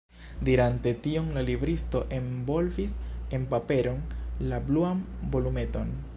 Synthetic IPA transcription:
diɾante̞tio̞nlalibɾisto̞ʔe̞mbo̞lvise̞npape̞ɾo̞nlabluambo̞lume̞to̞n

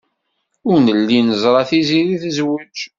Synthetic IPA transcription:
ʊɾnəlːinəzˤɾˤɑθiziɾiθzwid͡ʒ

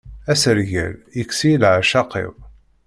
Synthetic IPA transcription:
æsəɾʝæ̰ljəksilʕaʃɑqḭw

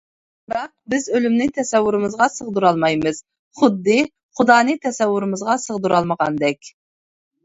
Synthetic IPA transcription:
bɾɑq̚bɪzølymnɪt̪ʰɛsɛwːuɾɨmɨzʁɑsəʁd̪uɾɑlˠmɑjmɨz̥ | χʊd̪ːɨ | χʊd̪ɑːnɨt̪ʰɛsɛwːuɾɨmɨzʁɑsəʁd̪uɾɑlˠməʁɑ̰nd̪ɛkʲ

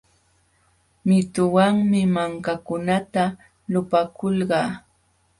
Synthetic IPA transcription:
mɪt̪ʊwaŋmɪmaŋkakʊnat̪a | lʊpakʊlɢɑː

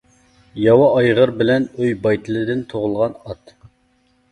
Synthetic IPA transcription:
jɑwɑːjʁəɾbɪlɛnøjbɑjt̪ʰɨlˠɨd̪ɪnt̪ʰoʁʊlˠʁɑnɑt̪

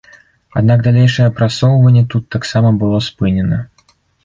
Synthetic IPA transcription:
ad̪̚naɡd̪alʲejʂɐjɛpɾasɔwvɐnʲːɛt̪ut̪ːaksamɐbɨlˠɔspɨnʲɛnɐ

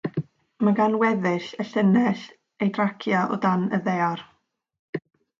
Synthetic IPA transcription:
maɡanwɛðɪɬəɬənɛɬ | ejdrakʰjaʔɔ̰danə̰ðeɔr

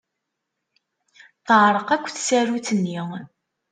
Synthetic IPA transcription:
θəʕɾˤəqækʷːθsærut͡sənːi

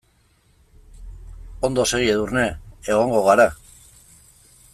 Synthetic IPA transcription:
o̞nd̪oseɣieðurne̞eɣ̞o̞ŋɡo̞ɣaɾa

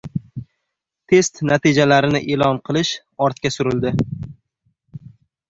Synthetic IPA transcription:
t̪ʰe̞st̪nat̪ʰɪd͡ʒalaɾɪnɪʔe̞lɒnqʰɨlˠɪʃ | ɒɾt̪̚kʲasʊɾɪld̪ɪ

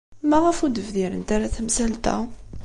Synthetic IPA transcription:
mæʁæfud̪əvðiɾə̰nt̪aɾaθæmsælt̪æ̰

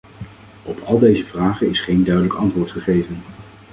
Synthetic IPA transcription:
ɔpɑlˠdejzəvraːχənɪsχejndœɥdələkɑntʋʊːɹtχəχejvən

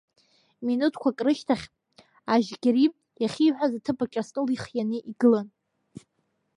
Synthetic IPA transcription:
minutʰkʷʰakʼrɨʃtʰaχʲ | aʒɡʲaɾi | jaχʲiħʷᶣazatʰɨpʼat͡ʃʲʼastʼɨliχjaneʔiɡɨlan

